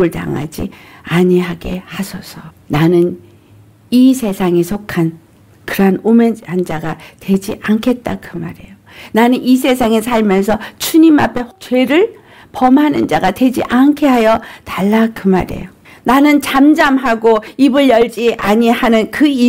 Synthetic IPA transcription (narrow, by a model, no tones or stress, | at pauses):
ɯɭta̰ŋa̰d͡ʑḭaɲiɦaɡehasʰʌsʰʌ | nanɯn | isʰe̞sʰaŋe̞sʰokʰan | kɯɾɦanomenhand͡ʑaɡatwe̞d͡ʑiʔaŋkʰe̞t̚t͈akɯma̰ɾe̞jonanɯnis̬ʰe̞s̬ʰaŋe̞sʰaɭmjʌnsʰʌt͡ɕʰuɲima̰pʰe̞t͡ɕwe̞ɾɯɭ | pʌmɦanɯnd͡ʑaɡatwe̞d͡ʑḭʔankʰe̞ɦajʌtaɭːakɯma̰ɾe̞̰jo | nanɯnt͡ɕamd͡ʑamɦaɡoibɯɭjʌɭd͡ʑiʔaɲihanɯnkɯi